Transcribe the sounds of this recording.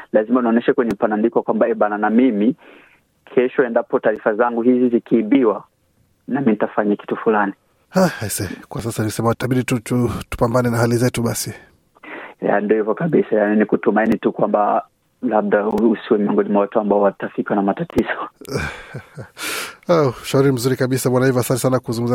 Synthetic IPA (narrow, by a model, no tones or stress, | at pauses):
lazimaunaɔnɛʃakwɛɲɛmpanandikɔakwambaɛɓananamimi | kʰɛʃɔɛndapɔtaːɾifazaŋɡuhizizikʰiːɓiwa | namin̩itafaɲaki̥tufulani | haasɛkwasasaniusɛmataɓiɗitututu̥pambanɛnahalizɛtuɓasi | ja̰ndiɔhivɔkaɓisajaninikutumainitukwamba | lab̚dauusiwɛmiɔŋɡɔnimawatuambaɔwatafikanamatatizɔ | aʃauɾim̩zuɾikaɓisaɓwanaivɔasantɛsanakuzuŋɡum̩za